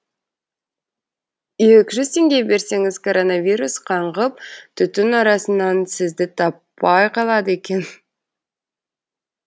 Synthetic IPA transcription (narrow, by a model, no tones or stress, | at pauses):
jekʲɪʒʏz̥t̪ʰe̞ŋɡʲe̞jbe̞ɾse̞ŋɪzkʰo̞ɾo̞navʲijɾusqʰɑɴʁəp̚t̪ʰʏt̪ɪnɑɾɑsənɑnsɪzd̪ɪt̪ʰɑpːɑjqʰɑlˠɑd̪əe̞kʲe̞n